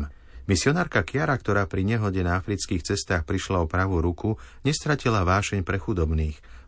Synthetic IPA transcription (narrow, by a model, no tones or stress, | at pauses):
misɪɔnaːɾkakɪaɾakt̪ɔɾaːpɾiɲɛɦɔɟɛnaafɾit͡skiːxt͡sɛst̪aːxpɾiʃlaɔpɾaʋuɾukʰuɲɛst̪ɾacilaʋaːʃɛɲpɾɛxud̪ɔbniːx